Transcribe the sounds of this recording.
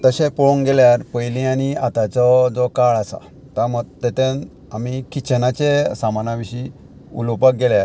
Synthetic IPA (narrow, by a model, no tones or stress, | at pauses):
t̪əɕẽpɔɭũŋɡɛljaɾpəjlĩaniat̪at͡sɔd͡zɔkaɭasa̰ | t̪amət̪ɛt̪ẽn | amikit͡ɕʰenat͡ɕesamanaʋiɕi | ṵlɔpak̚ɡɛljaɾ